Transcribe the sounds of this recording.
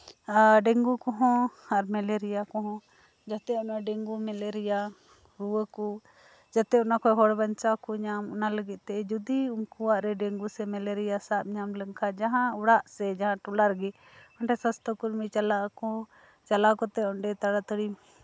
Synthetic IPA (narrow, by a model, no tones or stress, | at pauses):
ɖɛŋɡukɔɦɔ̃aɾmɛleɾijakɔ̃ɦɔ̃ | d͡ʒat̪ɛɔnaɖɛŋɡumɛleɾija | ɾuwəku | d͡ʒat̪ɛɔnakɔjɦɔɽbaɲt͡ʃakɔɲamɔnaləɡit̪̚ˀt̪ɛʔɛd͡ʒud̪iuŋkuwaʔɾɛɖeŋɡusɛmɛleɾijasaʔ̚ɲamləŋkʰad͡ʒaɦãuɽaʔsɛd͡ʒaɦãʈɔlaɾɡɛ | ɔɳʈɛsãst̪ɔkuɾmit͡ʃalaʔkɔ | t͡ʃalakɔt̪ɛɔɳɖɛt̪aɽat̪əɽi